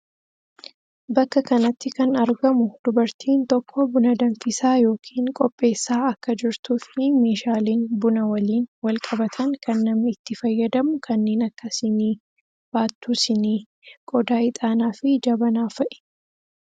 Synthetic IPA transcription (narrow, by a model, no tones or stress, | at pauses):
bɐkːɐkɐnɐt̪ːɪkɐnɐɾɡɐmʊd̪̥ʊbɐɾt̪ʰiːnt̪ɔkːɔbʊnɐd̪ɐɱfɪsaːjo̞ːkʰiːŋkʼɔpʼːe̞ːsːaːɐkːɐd͡ʒɪɾt̪uːfnɪmeːʃaːliːnbʊnɐwɐliːnwɐlkʼɐbɐt̪ʰɐŋkʰɐnːɐmɪt̪ːɪfɐjːɐd̪ɐmʊkʰɐnːe̞ːnɐkːɐsɪniː | b̥aːt̪ːuːsɪniː | kʼɔd̪aːɪt̪ʼaːnaːfɪd͡ʒɐbɐnaːfɐʔɛ̥